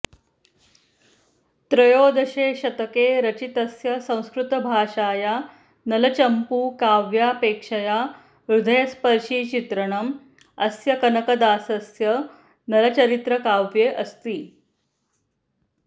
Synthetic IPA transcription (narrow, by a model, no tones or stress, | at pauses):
t̪ɾɐjoːd̪ɐɕeːɕɐt̪əkeːɾət͡ɕit̪əsjɐsɐ̃w̃skɾut̪bʱaːʂaːja | nɐlət͡ɕɐmpuːkaːʋjapeːkʂɐja | ɾud̪ʱəjɐspəɾʂiːt͡ɕit̪ɾəɽ̃əm | ɐsjɐkɐnɐkɐd̪aːsɐsjə | nɐlɐt͡ɕəɾit̪ɾəkaʋjeʔəst̪iː